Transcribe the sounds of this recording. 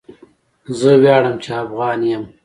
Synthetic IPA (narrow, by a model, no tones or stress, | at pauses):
zəwjɑːɽəmt͡ʃeafɣɑːnjɐm